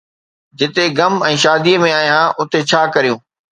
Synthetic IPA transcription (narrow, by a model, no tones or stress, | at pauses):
d͡ʑɪt̪eɡɐmɛ̃ːʃaːd̪imẽaːɦijãːʔʊt̪et͡ɕʰaːkɐɾijũː